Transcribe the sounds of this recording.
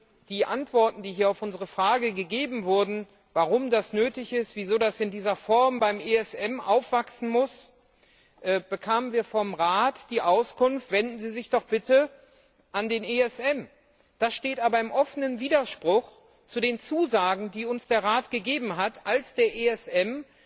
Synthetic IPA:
d̥iːʔantv̥ɔɐtn̩diːɦiːɐaʊfʔʊnzəʁəfʁ̥aːɡəɡəɡeːbm̩vʊɐdn̩ | vaʁʊmdasnøːtɪçɪstv̥iːzoːdasɪndiːzɐfɔɐmbaɪmeɛsɛmʔa̰ʊfv̥aksn̩mʊs | ʔɛːb̥əkʰaːmənviːɐfɔmʁaːtd̥iːʔaʊskʊnftv̥ɛndn̩ziːzɪçd̥ɔχb̥ɪtʰə | ʔandeːneːɛsʔɛm | d̥asʃteːtʔaːbɐɪmʔɔfənənviːdɐʃpʁ̥ʊx | t͡sudeːnt͡suːzaːɡŋ̩diːʊnsd̥eːɐʁaːtɡ̥əɡeːbm̩ɦatalsd̥eːɐʔeɛsɛm

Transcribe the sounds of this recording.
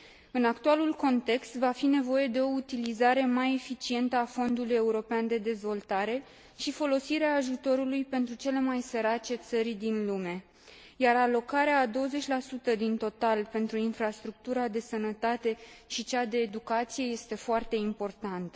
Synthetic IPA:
ɨnakt̪ualulko̞nt̪e̞kst̪vafine̞vo̞je̞d̪e̞o̞ut̪ilizaɾe̞maje̞fit͡ʃie̞nt̪əafo̞nd̪uluje̞uɾo̞peand̪e̞d̪e̞zvo̞lt̪aɾe̞ | ʃifo̞lo̞siɾeaːʒut̪o̞ɾulujpe̞nt̪ɾut͡ʃe̞le̞majse̞ɾat͡ʃe̞t̪səɾʲd̪inlume̞ | jaralo̞kaɾeaːd̪o̞wəze̞t͡ʃʲlasut̪əd̪int̪o̞t̪alpe̞nt̪ɾuinfɾast̪ɾuk̚t̪uɾad̪e̞sənət̪at̪e̞ʃit͡ʃad̪e̞ːd̪ukat̪sije̞je̞st̪e̞foart̪e̞impo̞rt̪ant̪ə

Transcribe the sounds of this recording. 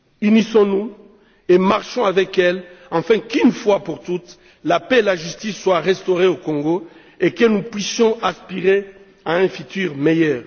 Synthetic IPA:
ynisɔ̃nu | emaʁʃɔ̃avɛkɛlɑ̃fɛ̃kynfwapuʁt̪ut̪ | lapeelaʒyst̪isːwaʁɛst̪oʁeokɔ̃ŋɡo | ekənupɥisjɔ̃aspiʁe | aɛ̃fyt̪yʁmejœːʁ

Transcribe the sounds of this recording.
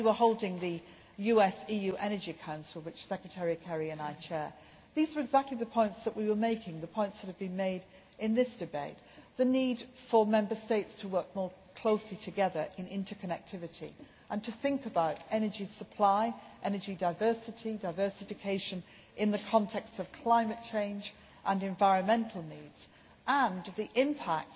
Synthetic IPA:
wiwə˞hoʊlˠdɪ̃ŋðɨ | jʉɛsijʉʔɛnəd͡ʒiɨkʰãʊ̃nsl̩ˠwɨt͡ʃsɛkɹɨtʰɛɹiɨkʰɛɹiɨ̃naɪt͡ʃʰɛɹ | ðizə˞ɨɡzæk̚tˡliðɨpʰɔ̃ɪ̃ntsðəʔ̚wiwə˞meɪkʰɪ̃ŋðɨpʰɔ̃ɪ̃ntsðɨtɨvbɨ̃nmeɪɾ | ɨ̃nðɪsd̥ɨbeɪt̪̚ðɨnid̥fə˞mɛ̃mbə˞steɪtstʰəwɜ˞k̚mɔɹkʰl̥oʊslitʰɨɡɛðə˞ʔɨ̃nɪ̰̃ntʰə˞kʰɨnɛk̚tʰɪvɨɾḭ | ʔə̃ntʰɨθɪ̃ŋkəbaʊɾɛnə˞d͡ʒisəpʰl̥aɪʔɛnə˞d͡ʒidaɪvɜ˞sɨɾidaɪvɜ˞sɨfɨkʰeɪʃɨ̃n | ʔɨ̃nðɨkʰɑ̃ntʰɛkstsʌv̥kʰl̥ãɪ̃mɨt̚t͡ʃʰẽɪ̃nd͡ʒ | ʔə̃nɨ̃ɱvaɪɹɨ̃nmɛ̃ntʰˡl̩ˠnidz̥ | ʔə̃nðiʔɪ̃mpʰæk̚t

